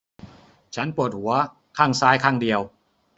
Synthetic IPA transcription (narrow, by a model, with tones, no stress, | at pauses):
t͡ɕʰa˦˥npu˨˩ət̪̚hu˩˦ɐ | kʰaː˥˩ŋsaː˦˥jkʰaː˥˩ŋdi˧əw